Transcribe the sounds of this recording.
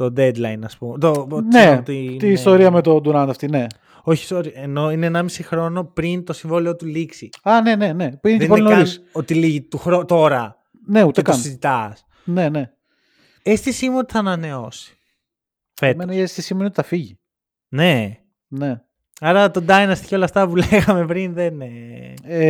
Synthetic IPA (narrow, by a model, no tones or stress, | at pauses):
t̪od̪ed̪lɐjnɐspumet̪onseot̪iit̪iist̪o̞ɾiɐmet̪od̪uɾɐnd̪ɐft̪ine̞ | o̞çi̥st̪oɾiɐeno̞ineːnɐmisixɾo̞no̞pɾint̪o̞siɱvoliot̪uliksiɐne̞ne̞nepineenpoinoɾisot̪iliʝit̪uxɾot̪o̞ɾɐ | ne̞ut̪ekoɐnsizit̪ɐs | ne̞ne | est̪isimeot̪i̥θɐːnɐne̞o̞si̥ | femnest̪isimeniot̪θɐfiʝi | ne̞ | ne̞ | ɐɾɐt̪od̪ɐjnɐst̪i̥çiolɐft̪ɐpuleɣɐme̞pɾinðenee